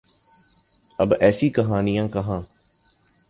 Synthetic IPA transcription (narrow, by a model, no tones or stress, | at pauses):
əbɛːsiːkəɦaːnijãːkəɦãː